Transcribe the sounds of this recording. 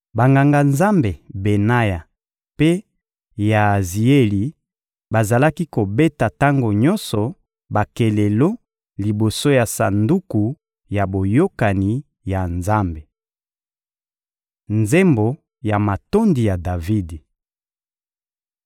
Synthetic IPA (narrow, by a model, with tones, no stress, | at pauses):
ba˨ŋɡa˨ŋɡa˨nza˦mbe˨be˨na˦ja˨ | pe˦ | ja˨zi˨e˦li˨ | ba˨za˨la˦ki˦ko˨be˦ta˨ta˦ŋɡo˨ɲɔ˦nsɔ˨ | ba˨ke˨le˨lo˦ | li˨bo˨so˦ja˨sa̰˨ndu˦ku˨ | ja˨bo˨jo˦ka˨ni˨ | ja˨nza˦mbe˨ | nze˦mbo˨ | ja˨ma˨to˦ndi˨ja˨da˨vi˦di˨